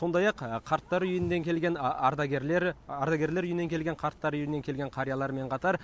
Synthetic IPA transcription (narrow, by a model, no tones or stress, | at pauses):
so̞nd̪ɑjɑqqʰːɑɾt̪ːɑɾʏjɪnd̪e̞ŋkʲʰe̞lɡʲe̞nɑɾd̪ɑɡʲeɾleɾɑɾd̪ɑɡʲe̞ɾle̞ɾʏjɪne̞ŋkʲʰe̞lɡʲe̞ɴqʰɑɾt̪ːɑɾʏjɪne̞ŋkʲʰe̞lɡʲe̞ɴqʰɑɾijɑlˠɑɾmeɴqʰɑt̪ɑɾ